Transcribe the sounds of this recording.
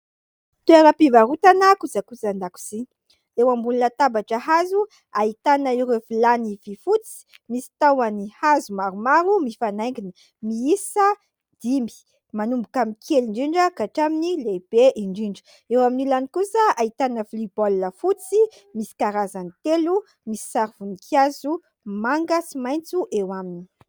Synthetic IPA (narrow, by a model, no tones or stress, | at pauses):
t̪ueɾəpivaɾut̪anəkut͡sakut͡sand̪aku̥zi | ewambulinət̪abaʈ͡ʂəɦazu | ait̪anəiɾefilanivifut͡si̥ | misi̥t̪awanihazumaɾumaɾumifanajŋɡinə | miisə | d̪̥imbi̥ | manumbukamikʰeliɳɖ͡ʐiɳɖ͡ʐəkaʈ͡ʂaminileb̥eʔiɳɖ͡ʐiɳɖ͡ʐə̥ | ewaminilanikusəait̪anəflibɔlːəfut͡si | misi̥kaɾazanit̪elu | misi̥saɾiv̥unikʰjazu | maŋɡəsimajnt͡suʔewamini̥